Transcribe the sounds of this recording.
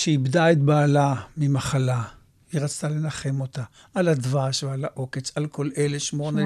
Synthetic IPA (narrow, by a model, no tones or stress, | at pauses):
ʃeibdaet̪̚baːlamimaχala | hiʁat͡st̪ale̞naχe̞mo̞t̪a | ʔaladvaʃvealaʔo̞ket͡salko̞leleʃmo̞ne